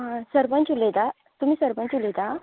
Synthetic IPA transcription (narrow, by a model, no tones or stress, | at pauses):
ɦãsəɾpə̃ɲt͡ɕulet̪a | t̪um̤iːsəɾpə̃ɲt͡ɕulet̪a